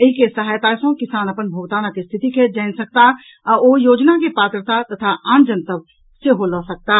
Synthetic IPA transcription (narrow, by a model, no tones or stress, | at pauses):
əikesəɦaːjt̪aːsõkɪsaːnəpənbʱoːɡt̪aːnakest̪ʰɪt̪iked͡ʒɛɪnsək̚t̪a | oːjoːd͡ʒnakepaːt̪ɾət̪at̪ɐt̪ʰaʔãːnd͡ʒənt̪əb | seɦoləsək̚t̪a